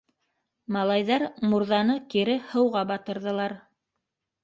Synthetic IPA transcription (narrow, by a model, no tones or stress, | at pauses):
mɑlˠɑjðɑɾmuɾðɑnɤkiɾɘhɤ̆wʁɑbɑt̪ɤ̆ɾðɤ̆lˠɑɾ